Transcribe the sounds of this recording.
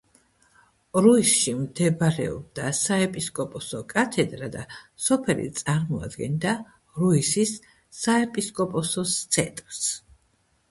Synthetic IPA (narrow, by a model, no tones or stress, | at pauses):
ɾuisʃimd̪ɛbɾɛ̰ɔ̰b̚d̪asaɛpʼiskʼɔpʼɔsɔkʼat̪ʰɛd̪ɾad̪asɔpʰɛlḭt̪sʼaɾmɔa̰d̪ɡɛnd̪a | ɾuisisː | aɛpʼiskʼɔpʼɔsɔst̪sʰɛt̪ʼɾs